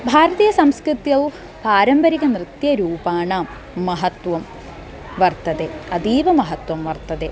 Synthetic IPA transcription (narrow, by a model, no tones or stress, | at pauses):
bʱaːɾɐðijɐsɐmskrɨt̪jɐʋ | paːɾɐmbɐɾiɣɐnrɨt̪jɐɾuːbaːɳaːmː | ɐɦɐt̪ʋɐm | ʋɐrt̪ɐðeːɐd̪iːʋɐmɐɦɐt̪wɐmʋɐrt̪ɐðeː